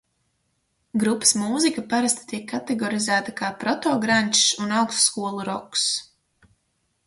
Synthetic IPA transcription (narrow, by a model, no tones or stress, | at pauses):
ɡɾupə̥smuːzikapaɾast̪i̥t̪iɛkʰːat̪ɛɡɔɾizæːt̪akaːpɾɔt̪ɔːɡɾanʲt͡ʃsunawksskuɔlˠuɾɔks